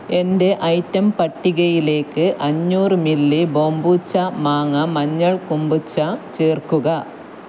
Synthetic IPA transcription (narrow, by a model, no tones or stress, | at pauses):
e̞nde̞ʔɐjtːɐmpɐʈːiɣɐjile̞ːkːɨʔɐɲːuːrɨmilːiboːmbuːt͡ɕːɐmaːŋɐmɐɲːɐɭkumbut͡ɕːat͡ɕeːrkuɣɐ